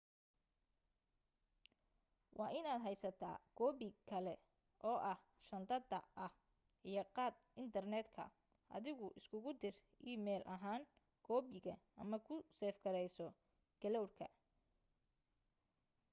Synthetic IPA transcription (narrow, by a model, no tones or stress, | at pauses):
wʔɑːʔɪnaːd̪ɦɛjsɐt̪ʰa̰ːɡ̥ɔːbɪkʰɐlɛ | ʔɔːʔɐh | ʃɐnd̪ɐd̪ɐ̰ʔɐh | ʔijɔqɑːd̪̚ɪnt̪ʰɐrnɛːd̪kʰɐ̰ | ʔɐ̰ðɪɣʊʔɪskʰʊɣʊd̪ɪr | ʔiːmɛːlʔɐɦaːŋ | ɡ̥ɔːbɪɣɐʔɐmɐkʰʊsɛːfɡɐɾɛjsɔ | ɡ̥ɐlɔwrkʰɐ